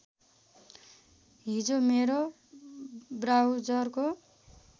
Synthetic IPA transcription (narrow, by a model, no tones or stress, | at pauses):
ɦid͡zomeɾo | brawd͡zʌrko